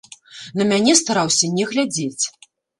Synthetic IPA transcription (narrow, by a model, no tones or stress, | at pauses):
nɐmʲanʲɛst̪aɾawsʲɐnʲɛɣlʲad͡zʲet͡sʲ